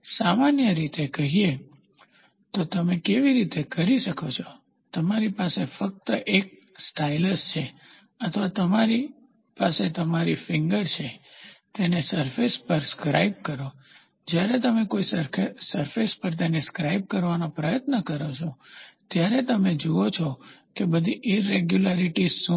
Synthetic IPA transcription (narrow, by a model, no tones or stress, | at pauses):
samanjəɾit̪ekəɦie | t̪ot̪əmekeʋiɾit̪ekəɾiʃəkʰot͡ʃʰɔ̥ | t̪əmaɾipasefək̚t̪əʔek̚ | sʈʰailəst͡ʃʰe | ət̪ʰʋat̪əmaɾi | paset̪əmaɾifɪŋɡəɾt͡ʃʰet̪enesəɾfespəɾskɾa̰ib̚kəɾo | d͡ʒjaɾet̪əmekoissəɾfespəɾt̪̬eneskɾaib̚kəɾʋanopɾəjət̪nəkəɾot͡ʃʰot̪jaɾet̪əmed͡ʒoot͡ʃʰɔkebəd̪ʱiʔiɾeɡjulaɾiʈisũ